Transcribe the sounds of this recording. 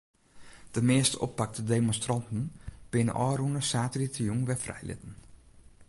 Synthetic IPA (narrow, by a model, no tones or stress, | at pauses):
d̥əmɪəstəʔo̰pːak̚tədemonstrɑntn̩b̥ɪnə̰ʔɔːrunəsaːtəritəjuŋʋɛfrɛ̰jlɪ̰tən̩